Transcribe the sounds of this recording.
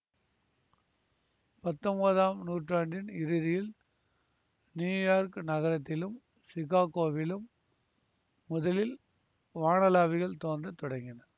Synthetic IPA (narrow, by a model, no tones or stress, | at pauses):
pɐt̪ːɔmbɐðaːmnuːʈraːɳɖɪnɪɾɯðɪjɪl | njuːjaːɾknɐɣɐɾɐt̪ːɪlɯm | sɪɣaːkoːʋɪlɯm | ʊðɐlɪl | ʋaːɳɐlaːʋɪɣɐɭt̪oːndrɐt̪ɔɽɐŋɡɪnɐɾ